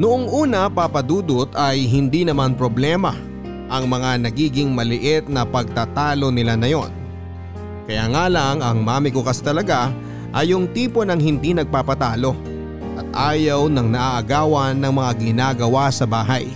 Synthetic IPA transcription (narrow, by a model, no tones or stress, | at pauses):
nʊʔoŋʔuːnɐpapɐd̪uːd̪ot̪ɐjɦɪnd̪inɐmanpɾo̞blɛmɐ | ʔɐŋmɐŋanɐɡiːɡɪŋmɐlɪʔɪt̪̚nɐpɐɡ̚t̪aːt̪aːlo̞nɪlanɐjo̞n | kɐjaːŋaːlɐŋɐŋmaːmɪkokɐst̪ɐlɐɡa | ʔɐjʊŋt̪iːpo̞nɐŋhɪnd̪inɐɡ̚paːpɐt̪aːlo̞ | ʔɐt̪̚ʔaːjɐwnɐŋnɐʔaʔɐɡaːwɐnːɐŋmɐŋaɡɪnaːɡɐwasɐbaːɦɐ̰j